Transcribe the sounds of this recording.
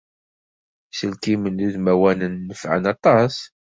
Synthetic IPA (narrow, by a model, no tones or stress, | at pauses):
səlkimənluðmæwænənːəfʕə̰nɑt̪ˤɑs